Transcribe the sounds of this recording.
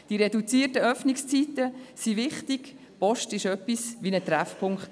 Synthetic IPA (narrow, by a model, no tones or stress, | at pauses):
d̥iɾɛdut͡siːərtəœfnɪkst͡sitəsivɪχtɪɡ̥ | pɔʃtɪʃœpːisʋinət̪ɾɛfpʰʊŋkt